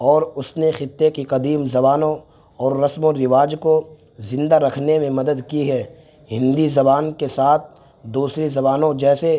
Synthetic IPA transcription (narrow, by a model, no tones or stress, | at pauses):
ɔːɾʊsnexɪt̪ːekiqɐd̪iːmzɐbaːnõ | ɔːɾːɐsmõɾɪʋaːd͡ʒko | zɪ̃nd̪aɾɐkʰnemẽmɐd̪əd̪kiɦɛː | ɦɪ̃nd̪izɐbaːnkesaːt̪̚ʰ | d̪uːsɾizɐbaːnõd͡ʒɛːse